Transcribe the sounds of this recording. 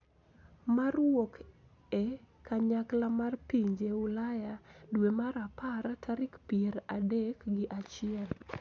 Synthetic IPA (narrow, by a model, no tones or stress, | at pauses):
marwok | e | kaɲaklamarpiɲd͡ʒeʊlajadwemaɾapaɾatʰaɾɪkpieɾadekɡɪʔat͡ʃɪɛl